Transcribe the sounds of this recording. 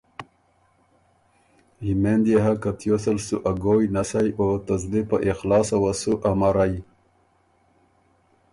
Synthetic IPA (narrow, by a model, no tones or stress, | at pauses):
himend̪jeɦakat̪josalsuʔaɡojnasajot̪azlipaʔixlɑːsawasuʔamaɾaj